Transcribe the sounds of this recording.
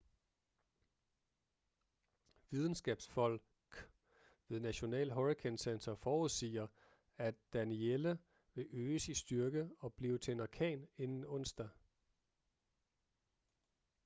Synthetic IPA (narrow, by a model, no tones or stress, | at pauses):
ʋið̞ˠn̩sɡ̥ɛːb̥sfɒ̽l̰ | ɡ̥ | ʋe̝ð̞ˠnæɕo̝nɛ̰ːlɦɒʁikʰensent͡sʰɐfɒːuðˠsḭːɐ | æd̥ænielə | ʋe̝ʔøːsisd̥yɐɡ̥əɒ̽b̥liːʊt͡sʰe̝nɑkʰɛ̰ːne̝nn̩ɔ̽n̰sd̥æ